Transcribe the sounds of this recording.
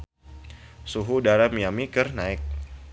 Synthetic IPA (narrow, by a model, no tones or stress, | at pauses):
suɦudaɾamijamikɨrnaɪk̚